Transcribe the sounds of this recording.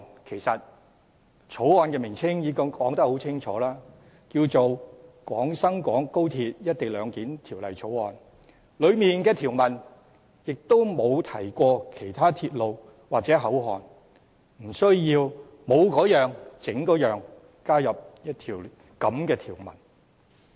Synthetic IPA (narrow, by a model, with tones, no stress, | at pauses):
kʰe˨˩jsɐ˨t̚ | t͡ʃʰo˨˥wɔː˨˧nkɛː˧mɪ˨˩ŋt͡sʰɪ˥ŋjiː˨˧˥kɐ˥kɔː˨˥ŋt̪ɐ˥k̚ho˨˥wt͡sʰɪ˥ŋt͡ʃʰɔ̰ː˨˥laː˥ | kiː˧wt͡so˨wkʷɔː˨˥ŋsɐ˥ŋkʷɔː˨˥ŋko˥wt̪ʰiː˧t̚jɐ˥t̚t̪e˨jlœː˨˧ŋkiː˨˥nt̪ʰiː˨˩wlɐ˨jt͡ʃʰo˨˥wɔː˨n | lɵ˨˧ɥmiː˨nkɛː˧t̪ʰiː˨˩wmɐ˨˩n | jɪ˨k̚t̪o˥wmo˨˧wt̪ʰɐ˨˩jkʷɔː˧kʰe˨˩jt̪ʰaː˥t̪ʰiː˧t̚lo˨w | waː˨k̚t͡sɛː˨˥ɦɐ˨˥wɦɔː˨n | m̩˨˩sɵ˥ɥjiː˧w | mo˨˧wkɔː˨˥jœː˨˧ŋt͡sɪ˨˥ŋkɔː˨˥jœː˨ŋ | kaː˥jɐ˨p̚jɐ˥t̚t̪ʰiː˨˩w | kɐ˨˥mkɛː˧t̪ʰiː˨˩wmɐ̰˨˩n